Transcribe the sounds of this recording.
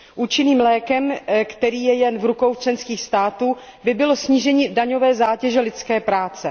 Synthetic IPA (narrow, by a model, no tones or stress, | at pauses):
ʔuːt͡ʃɪniːmlɛːkɛmkt̪ɛɾiːjɛjɛnvɾuko̞wt͡ʃlɛnskiːxst̪aːt̪uː | bɪbɪlo̞sɲiːʒɛɲiːdaɲo̞vɛːzaːcɛʒɛlɪt͡skɛːpɾaːt͡sɛ